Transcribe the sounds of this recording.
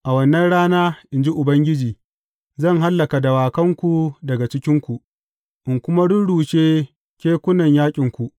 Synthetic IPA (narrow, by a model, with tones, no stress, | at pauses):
ʔa˨wɐ˦nːɐ˦nɽaː˦naː˦ʔɪ˨nd͡ʒi˦ʔʊ˨bɐ˦ŋɡʲɪ˦d͡ʒiː˨ | zɐ˦˨ŋɦa˦lːɐ˨ka˨dɐ˨waː˨kɐ˦ŋkʷu˨dɐ˨ɡa˨t͡ʃɪ˦kʲɪ˦ŋkʷu˨ʔ | ʔɪ˨ŋkʷʊ˦ma˦dʊ˦nɽuː˨ʃeː˦ | kʲeː˦kʷʊ˦nɐ˨ɲjaː˦kʲʼɪ˨ŋkʷu˨ʔ